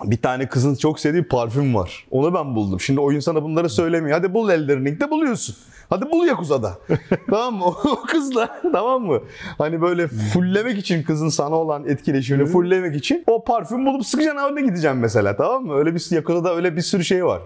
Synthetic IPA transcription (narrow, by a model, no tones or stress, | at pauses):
bit̪ʰaːnɛkʰɯzɯnt͡ʃʰo̞ksed̪iːpʰaɾfymva̰ɾ̥o̞nubænbulˠd̪umʃimd̪io̞junsand̪abunlˠaɾɯsø̞jlʲemejad̪ibulˠɛlʲd̪iɾnik̚t̪ɛbulˠujo̞sun | had̪ibulˠjakuzad̪a̰t̪ʰamamːɯookʰɯzlˠat̪ʰamamːɯhanibø̞jlʲɛfulʲːe̞mɛcit͡ʃʰinkʰɯzɯnsanaolˠanɛt̪cʰilʲe̞ʃ̬iminifulʲːemɛcit͡ʃʰino̞pʰaɾfymbulˠupsɯkɯd͡ʒanaːbɾnɛɟid̪id͡ʒɛmːɛs̬e̞lʲa̰ːt̪ʰamamːɯø̞jlʲɛbisjakuzad̪aø̞jlʲɛbiɾsyɾyʃejva̰ɾ̥